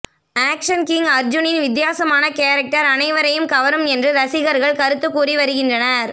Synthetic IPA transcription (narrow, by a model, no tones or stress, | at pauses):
aːkʂɐnkɪŋɡɐɾd͡ʒʊnɪnʋɪd̪jaːsɐmaːnɐkeːɾɐk̚ʈɐɾɐnɐɪʋɐɾɐjɯmkɐʋɐɾɯmɛndrɯɾɐsɪɣɐɾɣɐɭkɐɾɯt̪ːɯkːuːriʋɐɾɯɣɪndrɐnɐɾ